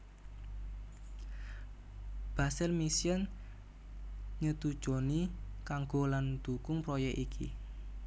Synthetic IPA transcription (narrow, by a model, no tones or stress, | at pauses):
b̥a̤sɪlmisjən | ɲət̪ud̥ʒ̥o̤nikaŋɡoland̪̥ukʊŋpɾɔjɛkʔikʰḭ